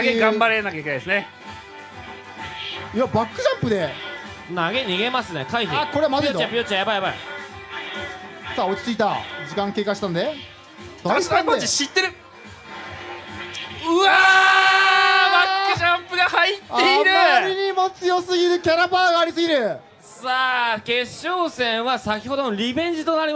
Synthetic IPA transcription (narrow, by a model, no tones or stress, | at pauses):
aɡeɡãmbaɾenakaikeaesɨne | iabakːɯ̟ʑãmpɯ̟d̪e̞ | naɡe̞ɲ̟iɡe̞masɨnekaiçiako̞ɾeamazit̪ãmpɯjot͡ɕajabajabai | saːo̞t͡ɕi̥t͡sɨit̪a̰d͡ʑikãŋke̞ːkaɕi̥t̪ãnd̪e | d̪ainiɕit̪ːe̞ɾɯ̟ | ɯ̟a | makːaɕãmpɯɡahait̪ːeiɾɯaɾiɲimot͡sɨjosɨɡʲiɾɯ̟kʲaɾabaːɡaːɾʲisɨɡʲiɾɯ̟ | saːke̞ɕːoːsẽ̞ɰ̃βasakʲi̥ho̞d̪onoɾʲibẽ̞ɲ̟d͡ʑit̪o̞naɾʲima